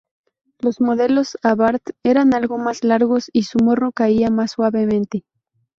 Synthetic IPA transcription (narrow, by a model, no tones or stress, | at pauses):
lo̞zmo̞ðe̞lo̞saβaɾt̪e̞ɾanalɣo̞maslaɾɣo̞sisumo̞rno̞kaiamasːwaβe̞mẽnt̪e̞